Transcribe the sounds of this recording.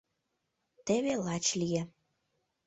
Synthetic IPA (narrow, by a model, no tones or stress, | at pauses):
t̪eβelɑt͡ɕlije